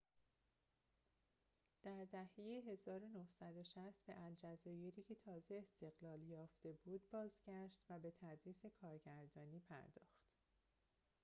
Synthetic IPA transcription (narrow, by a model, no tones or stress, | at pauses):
d̪̥æɾd̪æhejeɦe̞zɒːɾo̞nohsæd̪o̞ʃæst̪̚b̥e̞̰ʔæld͡ʒæzɒːje̞ɾiːcʰe̞t̪ʰɒːze̞ːst̪e̞ɣ̥lɒːljɒːft̪e̞buːd̪̚bɒːzɟæʃt̪væbe̞t̪ʰæd̪ɾiːse̞kʰɒːɾɟæɾd̪ɒːniːpʰæ̰ɾd̪ɒ̰ːxt̪